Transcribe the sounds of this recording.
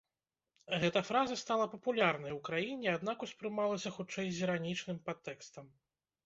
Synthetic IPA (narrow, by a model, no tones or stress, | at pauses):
ɣɛt̪ɐfɾazɐst̪alˠɐpɐpulʲarnɐjwkɾajinʲɛad̪nakuspɾɨmalˠɐsʲɐxut͡ʂɛjzʲiɾanʲit͡ʂnɨmpat̪ːɛkst̪ɐm